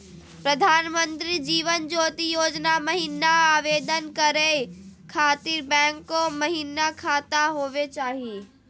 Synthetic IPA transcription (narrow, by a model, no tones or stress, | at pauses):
pɾɐd̪ʱaːnmə̃nt̪ɾid͡ʑiːʋənd͡ʒoːt̪ijoːd͡ʒnamɐɦiːnaaːʋeːd̪ənkɐɾekʰaːt̪iɾbɛ̃ːŋkːomɐɦinakʰaːt̪aɦoːʋet͡ʃaːɦieː